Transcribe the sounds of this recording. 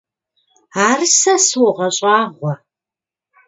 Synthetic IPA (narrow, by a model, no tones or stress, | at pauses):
aːrsɐswʊʁɐɕʼɑːʁʷɔ